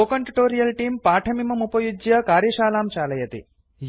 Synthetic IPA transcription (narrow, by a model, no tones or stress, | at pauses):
oːkɐɳʈiʈoːɾijɐlʈiːmpaːʈʰɐmimɐmupɐjud͡ʒjɐkaːɾjɐʃaːlaːmt͡ʃaːlɐjɐt̪ḭ | j